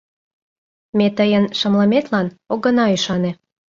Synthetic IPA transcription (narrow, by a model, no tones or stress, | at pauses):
met̪əjənʃə̆mləmet̪lɑnoɣə̆nɑyʃɑnĕ